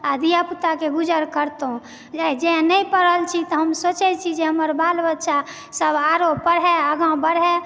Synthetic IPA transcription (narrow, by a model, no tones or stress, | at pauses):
ad̪ijaput̪akeɡud͡ʒəɾkəɾt̪ũ | d͡ʒad͡ʒenəjpəɾəlt͡ʃʰit̪ɔɦəmsot͡ʃɛt͡ʃʰid͡ʒeɦəməɾbalbətːʃʰa | səbaɾopːəɽɦɛəɡãbəɽɦɛ